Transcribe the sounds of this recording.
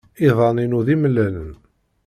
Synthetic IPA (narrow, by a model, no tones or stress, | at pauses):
iðˤɑninuðiməlːælən